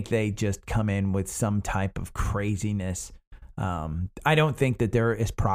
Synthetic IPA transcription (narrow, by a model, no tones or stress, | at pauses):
k̚ðeɪd͡ʒʌskʰʌ̃mɪ̃nwɪð̥sʌ̃mtʰaɪpʌv̥kʰɹ̥eɪzinɨsʔʌ̰̃maɪɾõʊ̃nθɪ̃ŋk̚ðɨt̪̚ðə˞ɪz̥pʰɹ̥ɑ